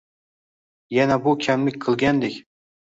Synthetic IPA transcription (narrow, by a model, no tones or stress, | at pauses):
janabʊkʲʰamlɪkʲqʰɨlˠɡʲand̪ekʲ